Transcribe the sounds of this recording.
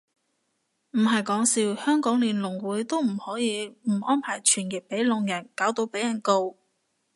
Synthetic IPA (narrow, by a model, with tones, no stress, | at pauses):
m̩˨˩ɦɐ˨jkɔː˨˥ŋsiː˧whœː˥ŋkɔː˨˥ŋliː˨˩nlʊ˨˩ŋwuː˨˥jt̪o˥wm̩˨˩hɔː˨˥jiː˨˧m̩˨˩ʔɔː˥npʰaː˨˩jt͡ʃʰyː˨˩njɪ˨˩k̚pe˨˥jlʊ˨˧ŋjɐ˨˩nkaː˨˥wt̪o˧wpe˨˥jɐ˨˩nko˧w